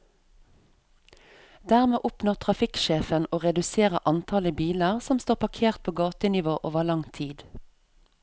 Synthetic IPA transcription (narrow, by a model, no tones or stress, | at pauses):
d̪æːʁmeːʔʊpnɔʁt̪ʰʁɑfɪkʃeːfənoːʁɛd̪ʉseːʁə̰ʔɑnt̪ʰɑləbiːləʁsɔmst̪oːpɑkʰeːʁt̪̚pʰoːɡɑːt̪ənɪʋoːʔoːʋəlɑŋt̪ʰiːd̪